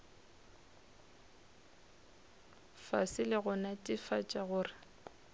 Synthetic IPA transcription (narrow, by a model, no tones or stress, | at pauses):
fa̰sɪlɪɣʊnatʼɪfat͡ʃʼaɣʊːrɪ